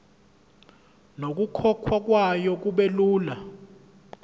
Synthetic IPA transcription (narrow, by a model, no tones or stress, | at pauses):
nok̬ukʰɔkʰwak̬wajɔk̬uɓeluːla